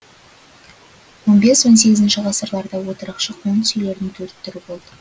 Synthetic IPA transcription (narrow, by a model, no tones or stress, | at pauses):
wo̞nbe̞swo̞ns̬e̞ɡʲɪzɪnʃɪʁɑsəɾlˠɑɾd̪ɑwo̞t̪əɾɑqʃəqʰont̪sʏjle̞ɾnɪŋt̪ʰɵɾɪt̪ːʏɾɪbo̞lˠd̪ə